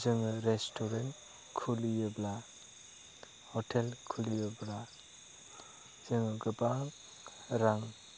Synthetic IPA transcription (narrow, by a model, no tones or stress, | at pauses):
zɯŋɯɾestʰoɾen | kʰulijɯbla | hɔtʰelkʰulijəbla | zɯŋɯɡɯba | ɾaŋ